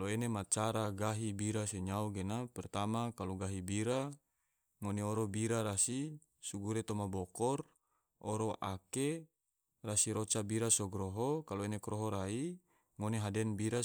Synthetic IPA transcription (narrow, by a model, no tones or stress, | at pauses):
loenemat͡ʃaɾaɡaɦibiɾaseɲauɡenapɛrt̪amakaloɡaɦibiɾa | ŋoneoɾobiɾaɾasi | suɡuɾet̪omabokɔr | oɾoʔake | rasiɾot͡ʃabiɾasoɡɾoɦokaloenekɾoɦoɾai | ŋoneɦadɛnbiɾa